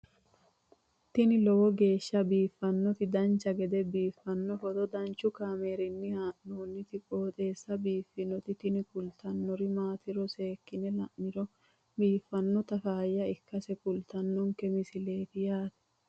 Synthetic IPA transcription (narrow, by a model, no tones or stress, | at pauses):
t̪ɪnɪlɔwɔɡe̞ːʃːɐbiːfːɐnːɔt̪ɪd̪ɐnt͡ʃːɐɡɛd̪ɛbiːfːɐnːɔhɔd̪ɔd̪ɐnt͡ʃːʊkaːmeːɾɪnːɪhaːʔnoːnːɪt̪ɪkʼoːt̪ʼe̞ːsːɐbiːfːɪnɔt̪ɪt̪ɪnɪkʊlt̪ɐnːɔɾɪmaːt̪ɪɾɔseːkːɪnɛlɐʔːɪɾɔ | biːfːɐnːɔt̪ɐfaːjːɐɪkːɐsɛkʊlt̪ɐnːɔŋkɛmɪsɪle̞ːt̪ɪjaːt̪ɛ̥